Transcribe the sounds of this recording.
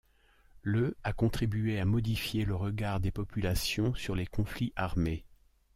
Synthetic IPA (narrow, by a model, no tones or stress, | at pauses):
ləakɔ̃t̪χibyeamɔd̪ifjeləʁəɡaʁd̪epɔpylasjɔ̃syʁlekɔ̃fliʔaʁme